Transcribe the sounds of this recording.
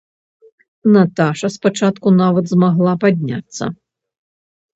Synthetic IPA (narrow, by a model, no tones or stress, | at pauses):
nat̪aʂɐspat͡ʂat̪kunavɐd̪zmaɣlˠapad̪ʲnʲa̰t̪sːɐ̰